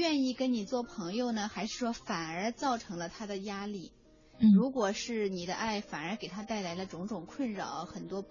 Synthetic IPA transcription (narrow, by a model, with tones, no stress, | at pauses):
ɥɛ˥˧ni˥˩kə˥nni˨˩t͡swɔ˥˩pʰɤ˧˥ŋjo˧ʊnə˩xa˧˥ɪʂɻ̩˥˩ʂwɔ˥fa˨˩nə˞˧˥t͡sɑ˥˩ʊʈ͡ʂʰɤ˧˥ŋlə˧t̪ʰa˥d̪ə˨ja˥li˥˩ | ɻu˧˥kwɔ˨˩ʂɻ̩˥˩ni˨˩d̪ə˦ʔa˥˩ɪfa˨˩nə˞˧˥ke˨˩ɪt̪ʰa˥t̪a˥˩ɪla˧˥ɪlə˧ʈ͡ʂʊ˧˥ŋʈ͡ʂʊ˨˩ŋkʰwə˥˩nɻɑ˨˩˦ʊxə˨˩nt̪wɔ˥